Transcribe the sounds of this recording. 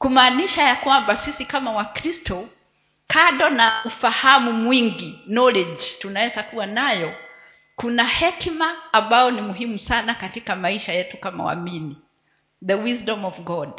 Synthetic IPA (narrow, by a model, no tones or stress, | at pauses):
kumaːniʃajakwambasisikamawakɾistɔ | kaɗɔnaufahamumwiŋɡinɔlɛd͡ʒtunawɛzakuwanajɔ | kunahɛkmaːmbaɔnimuɦimusanakatikamaiʃajɛtukama̰wa̰mini | ðəwisdɔmɔvɡɔd